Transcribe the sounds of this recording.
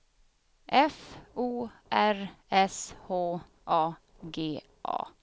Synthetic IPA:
ʔɛfuːʔæɾɛshoː | ʔɑː | ɡeː | ʔɑ̰ː

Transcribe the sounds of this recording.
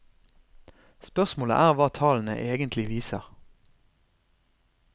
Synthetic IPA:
spœʁsmoːlə̰ʔæːʁʋɑːt̪ʰɑːln̩ə̰ʔeːɡənt̪ʰlɪʋiːsə̰ʁ

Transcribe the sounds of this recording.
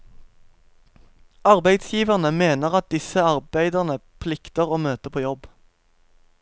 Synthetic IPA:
ɑʁbæɪd̪sjiːʋəʁnəmeːnəʁɑt̪̚d̪ɪsəɑʁbæɪd̪əʁnəpʰlɪkt̪əʁoːmøːt̪əpʰoːjɔb

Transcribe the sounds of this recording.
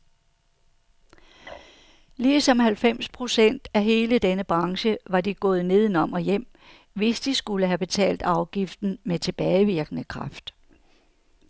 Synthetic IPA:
liːsɒ̽mɦælfem̰spʰʁo̝sen̰d̥æɦe̝ːləd̥enəb̥ʁɑ̈ŋɕəʋɑ̈diɡ̥ɔ̽ːð̞̩ˠne̝ð̞ˠn̩ɒ̽mɒ̽jem̰ | ʋe̝sd̥isɡ̥uləɦæb̥e̝t͡sʰɛ̰ːld̥ɑ̈ʊɡ̥ifd̥n̩met͡sʰe̝b̥ɛːɪʋiɐɡ̥ənəkʰʁɑ̈fd̥

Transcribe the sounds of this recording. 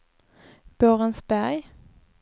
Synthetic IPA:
b̥øːʁənsbæʁ

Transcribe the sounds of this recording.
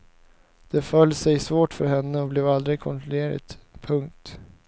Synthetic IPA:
d̪̥ɛfœlːsɛjsvoːʈfœɾɦɛnːəɔblɛːvald̪ɾɪɡ̚kʰɔnt̪ɾɔleːɾɪ̰t̪pʰɵŋk̚t̪

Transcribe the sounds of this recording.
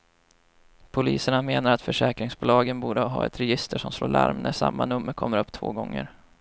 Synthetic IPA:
pʰʊliːsəɳameːnaɾat̪fœʂɛːkɾɪŋsbʊːlɑːɡənbuːɖəɦɑ̰ːɛt̪ɾɛjɪst̪ʰəʂɔmsloːɭʔa̰ɾmnæʂamːanɵmːəɾkʰɔmːəɾɵpːt̪ʰvo̰ːɡɔŋːəɾ

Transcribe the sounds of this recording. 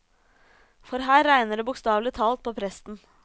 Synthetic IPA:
fɔɾɦæːɾːæɪnəɖeːbʊkst̪ɑːʋlɪt̪ʰɑːlt̪̚pʰoːpʰɾɛst̪n̩

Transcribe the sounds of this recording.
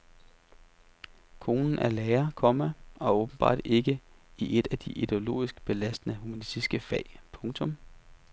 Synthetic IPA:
kʰo̝ːnn̩æɐlɛːɐkʰɒ̽mæɒ̽ɔ̽ːb̥n̩b̥ɑ̰̈ːd̥e̝ɡ̥əiʔe̝d̥æd̥iʔid̥e̝o̝lo̝̰ːisɡ̥b̥e̝læsd̥ənəhumænisd̥isɡ̥əfɛ̰ɪ̰pʰɔ̽ŋt͡sʰɔ̽m

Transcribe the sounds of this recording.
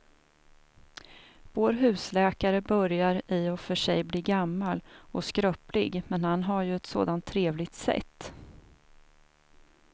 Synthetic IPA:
voːɾɦʉ̟ːslɛːkaɾəbœɾjaɾɪɔfœʂɛjbliːɡamːalɔskɾœːplɪɡmɛnhanɦaɾjɵɛt̪so̰ːd̪ant̪ʰːɾeːvlɪɡ̚t̪sɛ̰t̪ː

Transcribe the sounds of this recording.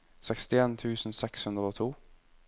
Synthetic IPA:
sɛkst̪ɪeːnt̪ʰʉːsn̩sɛkshʉnd̪ʁəoːt̪ʰuː

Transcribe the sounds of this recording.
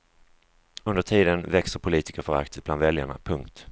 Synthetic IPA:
ɵnd̪əʈʰiːd̪ənvɛksəɾpʰʊliːt̪ɪkəɾfœɾa̰kt̪səbland̪vɛljaɳa̰pʰɵŋkt̪

